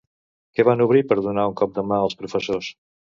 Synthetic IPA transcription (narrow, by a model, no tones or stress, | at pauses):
kɛβanuβ̞ɾipəɾðunauŋkɔp̚d̪əmaəlˠspɾufəsos